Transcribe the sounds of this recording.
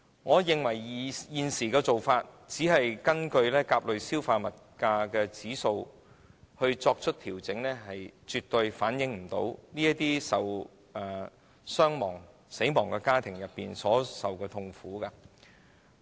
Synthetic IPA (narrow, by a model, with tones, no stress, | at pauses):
ŋɔː˨˧jɪ˨ŋwɐ˨˩jjiː˨nsiː˨˩kɛː˧t͡so˨wfaː˧t̚ | t͡siː˨˥ɦɐ˨jkɐ˥nkɵ˧ɥlɛː˥kaː˧p̚lɵ˨ɥsiː˥wfaː˧mɐ˨t̚kaː˧kɛː˧t͡siː˨˥so˧w | hɵ˧ɥt͡sɔː˧k̚t͡ʃʰɵ˥t̚t̪ʰiː˨˩wt͡sɪ˨˥ŋlɛː˥ɦɐ˨jt͡syː˨t̪ɵ˨˧ɥfaː˨˥njɪ˨˧ŋm̩˨˩t̪o̰˨˥wniː˥jɐ˥t̚t̪iː˥sɐ˨w | ɛː˨˩ | sœː˥ŋmɔː˨˩ŋ | se˨˥jmɔː˨˩ŋkɛː˧kaː˥t̪ʰɪ˨˩ŋjɐ˨pːiː˨nsɔː˨˥sɐ˨wkɛː˧t̪ʰʊ˧ŋfuː˨˥ka˧